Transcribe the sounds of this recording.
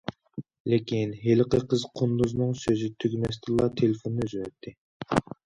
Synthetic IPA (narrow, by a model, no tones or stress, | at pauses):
lɪkʲinɦelɪqəqʰəzqʰond̪uznɨŋsøzɪt̪ʰyɡʲmɛst̪ʰɨlˠɑt̪ʰelɪfonːøzywɛt̪ʰːɪ